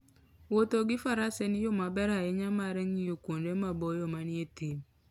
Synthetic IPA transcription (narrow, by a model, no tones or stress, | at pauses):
wotoɡɪfaɾasenɪjomabɛɾaeɲamaɾɛŋijokʷondemabɔjomanietim